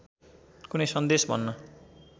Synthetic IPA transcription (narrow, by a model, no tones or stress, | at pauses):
kunʌjsʌnd̪esbʱʌ̰nːʌ